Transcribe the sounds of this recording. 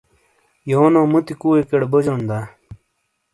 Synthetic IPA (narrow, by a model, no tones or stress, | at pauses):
joːnõːmut̪ikuːwekeɽbod͡ʑoːnd̪a